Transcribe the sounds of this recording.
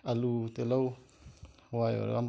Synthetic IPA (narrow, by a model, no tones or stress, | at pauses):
alut̪elaw | wajo̰ɾam